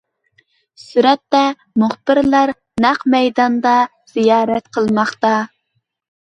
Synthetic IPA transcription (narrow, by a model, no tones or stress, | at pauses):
syɾɛt̪ːɛ | muχb̥ɪɾlˠɑɾ | næqmɛjd̪ɑnd̪ɑ | z̥ijɑːɾɛt̪qʰəlˠmɑχt̪ɑ